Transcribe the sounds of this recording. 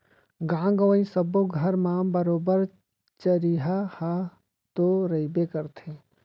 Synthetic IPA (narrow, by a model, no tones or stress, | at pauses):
ɡãːŋɡəʋə̃ĩsəboɡʱɐɾmãbəɾoːbəɾ | t͡ʃəɾiɦaha | t̪oɾəibekəɾt̪ʰeː